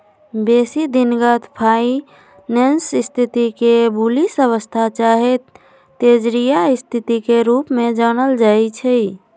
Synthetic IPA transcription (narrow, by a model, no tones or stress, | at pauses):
besid̪inɡət̪pʰai | nensist̪ʰit̪ikebulisəβəst̪ʰat͡ʃaɦet̪ː | ed͡ʒɾijaist̪ʰit̪ikeɾupmed͡ʒanəld͡ʒajt͡ʃʰɛ